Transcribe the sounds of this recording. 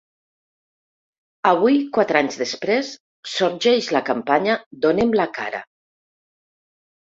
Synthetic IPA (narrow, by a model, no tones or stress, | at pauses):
əβ̞ujkwat̪ɾaɲzðespɾesː | oɾʒɛʒlakampaɲəd̪onemlaka̰ɾə̰